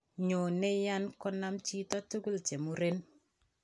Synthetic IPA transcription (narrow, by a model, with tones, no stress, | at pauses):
ɲo˨ne˦ja˦nkɔ˦na˦mt͡ʃi˦tɔ˦tu˦ɡu˦lt͡ʃe˨mu˦ɾe˦n